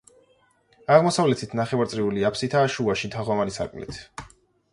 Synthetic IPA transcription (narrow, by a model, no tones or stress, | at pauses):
aʁmɔsavlɛt̪ʰit̪ʰnaχɛvaɾt̪sʼɾiuliapʰsit̪ʰaːʃuaʃit̪ʰaʁɔmaɾisa̰ɾkʼmlḭt̪ʰ